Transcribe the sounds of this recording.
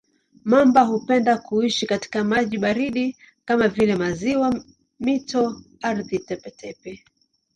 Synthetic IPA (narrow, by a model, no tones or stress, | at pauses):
mambaɦupɛndakuiʃikati̥kamaʄiɓaɾiɗi | kamavilɛmaziwa | mitɔ | aɾðitɛpɛtʰɛpɛ